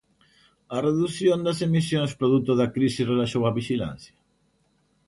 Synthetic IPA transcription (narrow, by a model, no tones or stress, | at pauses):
ɐreðuθjond̪ɐsemis̬jõŋspɾoðut̪oðɐkɾisisrelaʃowaβiʃilã̰n̟θjɐ̥